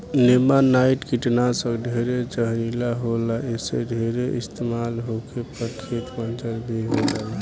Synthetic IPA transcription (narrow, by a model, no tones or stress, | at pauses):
lemanaiʈkiʈnasə̃ɡɖʱeɾed͡ʒəɦɾilaɦolaesḛɖʱeɾeʔist̪emalɦokepəɾkʰet̪mənd͡ʒəlbʱiɦod͡ʒala